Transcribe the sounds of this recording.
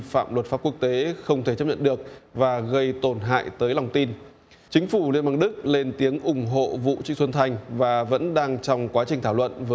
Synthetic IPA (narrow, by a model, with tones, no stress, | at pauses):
fa̰ː˧˨mlwə˨˩t̚faː˦˥p̚ku˦˥ək̚t̪e˨˦xə˧wŋ͡mt̪ʰe˧˩t͡ɕə˦˥pɲə̰˧˨nɗɨ˨˩ək̚vaː˨˩ɣə˧jt̪o˨˩nɦa̰ː˧˨jt̪əː˨˦jlɔ˨˩wŋ͡mt̪i˧n | t͡ɕï˨˦ŋ̟fu˧˩lḭ˧əmɓaː˧nɗɨ˦˥k̚le˧nt̪i˨˦əŋʔʊ˨˧˩ŋ͡mɦo̰˧˨vṵ˧˨t͡ɕḭ˧˥swə˧nt̪ʰa˧jŋ̟vaː˨˩və̰˧˥nɗaː˧ŋt͡ɕɔ˧wŋ͡mkwaː˨˦t͡ɕi̟˨˩t̪ʰaː˧˩wlwə̰˧˨nvəː˨˦